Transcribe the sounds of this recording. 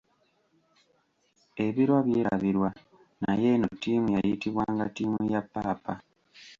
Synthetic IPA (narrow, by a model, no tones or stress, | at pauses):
e̞βiɾwaβjeːɾa̰βiɾwa | naje̞notːiːmujajitiβwaːŋɡatiːmujapːaːpa